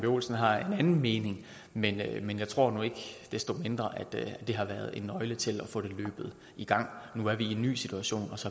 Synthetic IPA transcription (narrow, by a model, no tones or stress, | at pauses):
b̥io̝̰ːlsn̩ɦɑ̈enænn̩me̝ːne̝ŋ | menmenjɑ̈ɪt͡sʰʁo̝ɐ̰nue̝ɡ̥d̥esd̥o̝me̝nd̥ʁɐʔæd̥æ̥e̝ɦɑ̈ʋæɐð̞ˠe̝nːɒ̽ɪlət͡sʰe̝læfɔ̰ːɾ̥e̝lø̰ːb̥ð̞̩ˠ | iɡ̥ɑ̈ŋ̰nuæɐʋienːy̰ːsit͡sʰuæɕo̝̰ːnɒ̽sɒ̽